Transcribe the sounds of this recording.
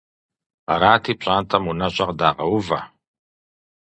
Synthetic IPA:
a̰ɾaːtʰiːpɕʷʼaːntʼɐmunɐɕʷʼaqdaːqɐwʊva̰

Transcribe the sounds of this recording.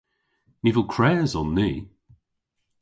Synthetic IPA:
nivəlˠkʰɹ̥ɛːzɔnːiː

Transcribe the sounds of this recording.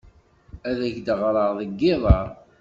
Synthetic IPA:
æðæçd̪əʁɾˤəɾðˤəɡːɪðˤɑɾˤ

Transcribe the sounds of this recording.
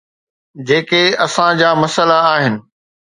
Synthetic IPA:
d͡ʑeːkeɐsãd͡ʑaːmɐsəlaːɦɪnɪ̆

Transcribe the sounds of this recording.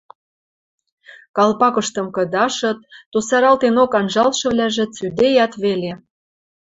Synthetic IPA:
kɑlpɑkɤ̆ʃt̪ɤ̆mkɤ̆d̪ɑʃɤ̆t̪ːusɑɾɑlt̪enokɑnʒɑlʃɤ̆βlʲæʒĕt͡syd̪ejɑt̪βele

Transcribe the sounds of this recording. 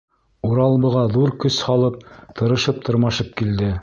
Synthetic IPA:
uɾɑlˠβɤ̆ʁɑðuɾkɵshɑlˠɤp̚t̪ʰɤ̆ɾɤ̆ʃɤp̚t̪ʰɤ̆ɾmɑʃɤp̚kild̪ɘ

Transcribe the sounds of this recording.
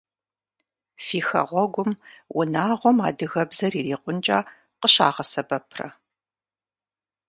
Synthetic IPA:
fiːxɐ̰ʁʷɔɡʷʊmwʊnaːʁʷɔma̰ːdɨɣɐbzɐriːriːqʷʊnt͡ʃʼaː | qəɕa̰ːʁɐsɐbɐpʰrɐ̰

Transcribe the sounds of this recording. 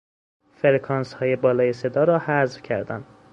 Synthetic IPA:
feɾekʰɒːnshɒːje̞bɒːlɒːje̞se̞d̪ɒːɾɒːhæzvcʰæɾd̪ænd̪̥

